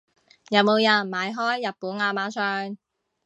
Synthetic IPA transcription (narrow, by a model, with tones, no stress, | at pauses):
jɐ˨˧wmo˨˧wjɐ˨˩nmaː˨˧jɦɔː˥jːɐ˨t̚puː˨˥naː˧maː˨˥sœː˧ŋ